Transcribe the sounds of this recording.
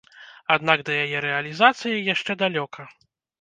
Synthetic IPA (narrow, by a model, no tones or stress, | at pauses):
ad̪naɡd̪ɐjajɛɾɛɐlʲizat̪sɨjijaʂt͡ʂɛd̪alʲɔkʰɐ